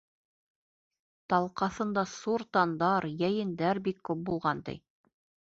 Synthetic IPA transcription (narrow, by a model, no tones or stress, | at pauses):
t̪ɑlˠqɑθɤ̆nd̪ɑsuɾt̪ɑnd̪ɑɾjæjɘ̆nd̪æɾbikːʉp̚bulˠʁɑnt̪ɘ̰j